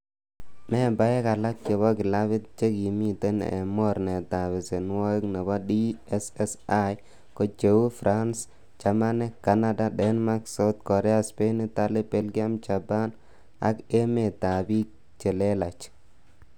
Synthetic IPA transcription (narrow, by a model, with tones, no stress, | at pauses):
mɛ˦ba˦jɛ˦ka˨la˦k̚t͡ʃe˨bɔ˦kɪ˨la˦βɪ˦t̪̚t͡ʃe˦ki˨mi˦te˦n̰ː˨mɔ˦ɾne˨t̪a˨βɪ˨se˨n˦wɔ˦kne˨bɔ˦diɛsɛsa˦j | ko˨t͡ʃe˨wu˦fɾʔa˦ns | t͡ʃa˨ma˦nɛ˦ka˨na˦da˦dɛ˦nma˦kso˦t̪kɔ˨ɾɛ˦a˦spe˦ni˦ta˦lɪ˦pɛ˦lɡi˦a˦mt͡ʃa˨pa˦n | a̰˨ke˦me˨ta˨bi˦ | t͡ʃe˨le˦la˨t͡ʃ